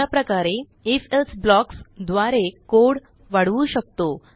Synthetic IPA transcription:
apɾəkaɾe | efesblɔksd̪ʋaɾekoɽ | ʋaɽʋuːɕək̚t̪o

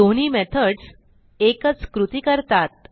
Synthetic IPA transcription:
oñiːmɛt̪ʰəɖs | ekət͡skɾut̪ikəɾt̪at̪̚

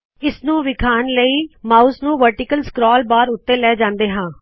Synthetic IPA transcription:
ɪsnũːʋɪkʰaːnləiːmaːuːsnũːʋəɾʈɪːkəlskɾɔːlbaːɾʊt̪ːeːlɛːd͡ʒãːnd̪eːɦãː

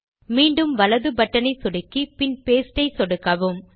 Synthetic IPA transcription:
miːɳɖɯmʋɐlɐðɯbɐʈːɐnɐɪsɔɽɪkːipɪnpeːsʈɐɪsɔɽɯkːɐʋɯm

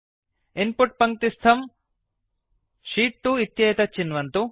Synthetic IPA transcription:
inpuʈ̚pɐŋk̚t̪ist̪ʰɐm | ʂiːʈːuit̪jɐjɐt̪ɐt͡ʃːinʋɐnt̪u

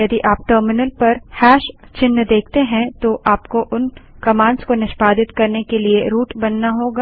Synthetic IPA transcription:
jɐd̪iʔaːp̚ʈəːɾmɪnəlpɐɾhɛːʃt͡ʃɪnːd̪eːk̚ʰt̪eɦɛ̃t̪oʔaːpkoʔʊn | kɐmãːɳɖskonɪʃbaːd̪ɪt̪kɐɾnekelieɾuːʈbɐnːaɦoːɡaː

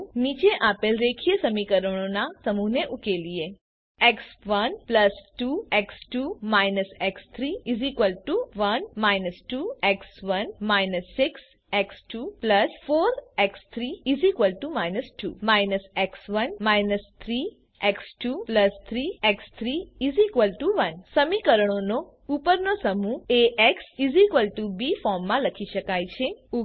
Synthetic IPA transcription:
mit͡ʃeʔapelɾekʰijəsəmikəɾəɽ̃onasəmũɦneʔukelie | ɛksʋənpləsʈuɛksʈumajnəsɛkst̪ʰɾiizikʋəlʈuʋənmajnəsʈuɛksʋənmajnəsːɪks | ɛksʈupləsfoːɾɛkst̪ʰɾiizikʋəlʈumajnəsʈumajnəsɛksʋənmajnəst̪ʰɾi | ɛksʈupləst̪ʰɾiɛkst̪ʰɾiizikʋəlʈuʋənsəmikəɾəɳ̃ono | upəɾnosəmueʔɛksizikʋəlʈubifɔɾmːãləkʰiʃəkajt͡ʃʰeu

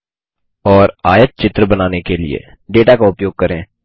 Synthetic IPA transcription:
ɔːɾaːjət̪̚t͡ʃɪt̪ɾəbənaːnekelɪ̰ḛː | ɖeːʈaːkaʊpjoːɡ̚kəɾẽː

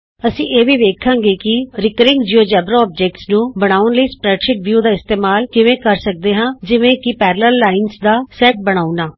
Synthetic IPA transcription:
əsĩːʔeːʋiːʋeːkʰãːɡeːkɪɾɪkəɾɪ̃ŋɡd͡ʒiːoːd͡ʒɛːbɾoɔːp̚d͡ʒɛːk̚ʈsnũːbəɽ̃aːʊnləiːspɾɛːʈʃɪʈ̚ʋjuːd̪aːɪst̪eːmaːlkɪʋẽːkəɾsək̚d̪eːɦãːd͡ʒɪʋẽːkɪpɛːɾləlːaːɪnsd̪aːsɛːʈ̚bəɽ̃aːunaː

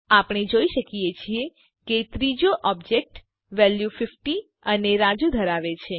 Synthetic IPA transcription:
apɽ̃ed͡ʒoiʃəkijet͡ʃʰie | ket̪ɾid͡ʒoʔɔbd͡ʒek̚ʈ | ʋɛljufɪfʈi | əneɾad͡ʒud̪ʱəɾaʋet͡ʃʰe

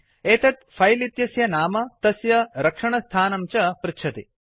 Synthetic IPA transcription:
eːt̪ɐt̪fʰɐjlit̪jɐsjɐnaːmɐt̪ɐsjɐɾɐkʂɐɳɐst̪ʰaːnɐmt͡ʃɐpɾɨtt͡ʃʰɐt̪ḭ

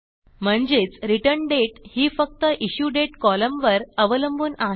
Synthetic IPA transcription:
m̤əɳd͡zet͡sɾiʈəɾɳɖeʈhiːfək̚t̪əʔiɕuːɖeʈkɔləmʋəɾəʋələmbuːna

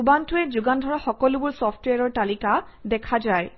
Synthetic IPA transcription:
ubantʊɛzuɡandʱɔɹaxɔkɔlʊbʊɹsɔpʰtweaɹɔɹtalika | dɛkʰazaj

